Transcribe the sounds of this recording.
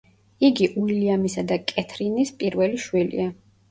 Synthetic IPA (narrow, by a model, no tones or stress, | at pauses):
iɡiʔuiliamisad̪akʼɛt̪ʰɾinispʼiɾvɛliʃwilḭa